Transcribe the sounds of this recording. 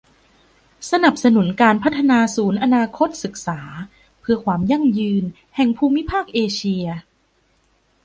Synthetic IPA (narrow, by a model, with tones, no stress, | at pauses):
sa˧na˨˩p̚sa˧nu˩˦nkaː˧npʰa˦˥t̪ʰːa˧naː˧suː˩˦nʔa˧naː˧kʰo˦˥t̪̚sɯ˨˩k̚saː˩˦ | pʰɯ˧ɐkʰwaː˧mja˥˩ŋjɯː˧n | hɛ˨˩ŋpʰuː˧mi˦˥pʰaː˥˩k̚ʔeː˧t͡ɕʰi˧ɐ